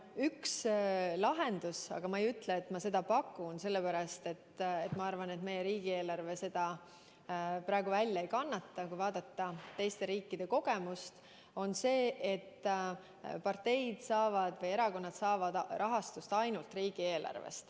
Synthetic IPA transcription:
ykslɑɦe̞nd̪̥usɑ̰ɡ̥ɑmɑejyt̪ːˑleːt̪ːmɑse̞d̪ɑpɑkːˑunse̞lːepæɾɑst̪e̞t̪ːet̪mɑɑrvɑne̞t̪me̞jeɾiːɡ̥ie̞ːlɑrve̞se̞d̪̥ɑ | prɑeɡ̥uvælʲjɑejkɑnːɑt̪ːɑkujvɑːd̪̥ɑt̪ːɑt̪ːe̞jst̪e̞ɾiːkːid̪̥e̞ko̞ɡ̥e̞must̪ | o̞nse̞ːʔet̪ː | pɑrt̪e̞jd̪̥sɑːvɑd̪̥vɤje̞ɾɑko̞nːɑd̪̥sɑːvɑd̪̥rʔɑɦɑst̪ust̪ɑjnult̪riːɡ̥ie̞ːlʔɑ̰rvḛst̪

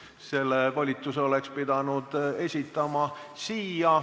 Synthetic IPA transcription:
se̞lːevolʲit̪ːˑuseo̞le̞kspid̪̥ɑnud̪̥e̞sʲit̪ːˑɑmɑsiːjɑ

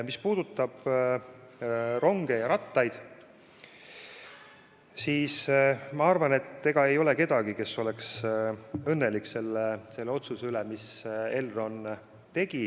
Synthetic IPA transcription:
mispuːd̪̥ut̪ːˑɑb̥ | ro̞ŋɡe̞jɑɾɑt̪ˑːɑjd̪̥ | siːsmɑɑrvɑne̞t̪ːe̞ɡ̥ɑe̞jo̞leke̞d̪̥ɑɡike̞so̞le̞ks | ɤnːe̞likːse̞lːese̞lːe̞o̞t̪suseylemise̞lro̞n | t̪e̞ɡ̥i

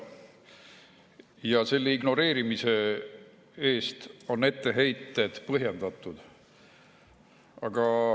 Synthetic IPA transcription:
jɑse̞lːeiɡno̞ɾe̞ːɾimise̞ | e̞ːst̪o̞ne̞t̪ːe̞ɦejt̪ːˑe̞d̪̥pɤɦjend̪̥ɑt̪ːˑud̪̥ | ɑɡ̥ɑ

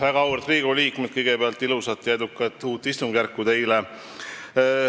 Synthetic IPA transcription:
væɡ̥ɑuwrt̪riːɡuliːkmet̪̚kɤjɡepeɑlt̪ːilusɑt̪ːjɑe̞d̪ukːˑɑt̪ːˑuːt̪ːˑist̪uŋɡ̥ærkːut̪e̞jle

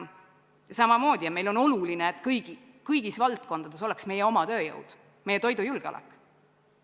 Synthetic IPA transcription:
sɑmɑmo̞ːd̪̥ʲiɑmejlo̞no̞lulineet̪ˑkɤjɡ̥i | kɯjɡ̥isvɑlt̪̚ˑko̞nd̪̥ɑd̪e̞so̞leksme̞jeo̞mɑt̪ø̞ːjɤ̰wd̪̥ | me̞jːet̪o̞jd̪ujulɡ̥eo̰lɛ̰kːˑ

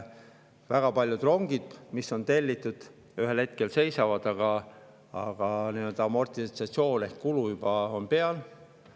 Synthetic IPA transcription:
væɡ̥ɑpɑlʲjud̪̥ro̞ŋɡ̥id̪̥misːo̞nt̪e̞lʲːit̪ːˑud̪̥ | yɦe̞lhe̞t̪̚ke̞lse̞jsɑvɑd̪̥ɑɡ̥ɑ | ɑɡ̥ɑniø̞ld̪ɑɑmo̞rt̪it̪sɑt̪sio̞ːne̞hkkulujub̥ɑo̞npe̞ɑl

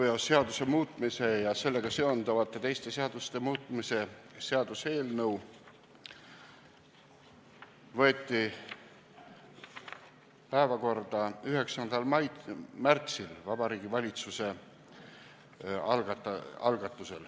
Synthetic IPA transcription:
jɑsːe̞ɑd̪̥use̞muːt̪ˑmise̞jɑse̞lːe̞ɡ̥ɑseo̞nd̪̥ɑvɑt̪ːˑe̞t̪e̞jst̪e̞seɑd̪̥ust̪e̞muːt̪ːˑmise̞se̞ɑd̪̥use̞ːlnɤw | vɤ̞et̪ːˑi | pæevɑko̞rd̪̥ɑyɦe̞ksɑnd̪̥ɑlmɑjmært̪silvɑb̥ɑɾiːɡ̥ivɑlʲit̪suse̞ | ɑlɡ̪ɑ̰lɡ̥ɑt̪ːˑuse̞l

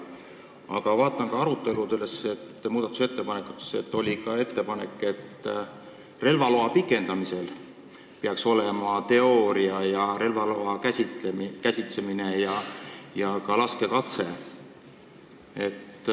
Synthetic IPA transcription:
ɑ̰ɡɑvɑːt̪ˑːɑŋkɑɑɾut̪ːˑe̞lut̪eleset̪ːmuːd̪̥ɑt̪ːu̥set̪ːe̞pɑnekːˑu̥t̪ːˑe̥se̞t̪ːˑo̞lʲikɑe̞t̪ːe̞pɑne̞kːˑe̞t̪ː | re̞lvɑlo̞ɑpikːˑe̞nd̪̥ɑmise̞l | peɑkso̞lemɑt̪e̞o̞ːɾiɑjɑɾe̞lvɑloɑkæst̪kæsʲit̪se̞mine̞jɑjɑkɑlɑske̞kɑt̪se̞ | e̞t̪ː

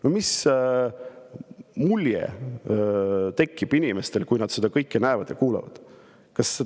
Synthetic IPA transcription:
nomis | mulʲjḛ | t̪e̞kːib̥inime̞st̪e̞lkujnɑd̪̥sed̪̥ɑkɤjkːenæevɑd̪jɑ̰kuːlɑ̰vɑ̰d̪̥ | kɑsːe

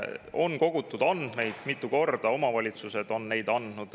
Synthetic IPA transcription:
o̞nko̞ɡ̥ut̪ːˑud̪ɑnd̪̥me̞jd̪̥mit̪ˑːuko̞rd̪̥ɑo̞mɑvɑlʲit̪suse̞d̪̥o̞nːe̞jd̪̥ɑnd̪nud̪̥

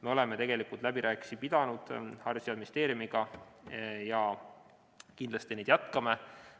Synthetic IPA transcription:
me̞o̞le̞me̞t̪e̞ɡe̞likult̪læbiɾʔæːkˑi̥sipid̪̥ɑnud̪̥hɑrsjɑmist̪e̞ːɾjumiɡ̥ɑ | jɑ | kind̪lɑst̪ine̞jd̪̥jɑt̪kɑme

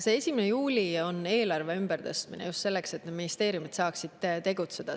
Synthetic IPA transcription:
see̞sʲimenejuːlʲio̞ne̞ːlɑrve̞ymb̥eɾt̪ɤst̪minḛjust̪se̞lːe̞kse̞t̪ːned̪minist̪e̞ːɾijumit̪sɑːksid̪̥t̪e̞ɡut̪se̞d̪̥ɑ

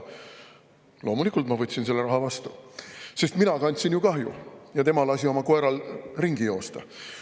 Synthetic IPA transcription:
lo̞ːmulikːˑult̪mɑvɤt̪ʲːsinse̞lːe̞ɾɑɦɑvɑst̪use̞st̪minɑkɑnʲt̪ʲsinjukɑɦjṵjɑt̪e̞mɑlɑsʲio̞mɑkoe̞ɾɑlriŋɡ̥ijo̞ːst̪ɑ̰

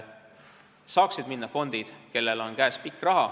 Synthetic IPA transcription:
sɑːksid̪minːɑfo̞nd̪̥id̪̥ke̞lːe̞lo̞nkæespikːˑrɑɦɑ

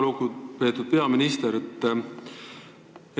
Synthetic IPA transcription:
lukupe̞ːt̪ːud̪̥̚pe̞ɑminist̪eɾet̪ː

